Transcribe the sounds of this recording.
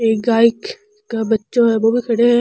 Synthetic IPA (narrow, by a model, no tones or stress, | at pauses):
eːkɡaːɪk | kabɐtːʃõɦɛʋobʱikʰɐɽeɦɛ